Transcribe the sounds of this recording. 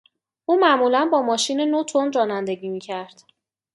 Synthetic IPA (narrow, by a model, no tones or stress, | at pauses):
ʔuːmæʔmuːlænbɒːmɒːʃiːnenot̪ʰonɾɒːnænd̪e̞ɟiːmiːcʰæɾd̪̥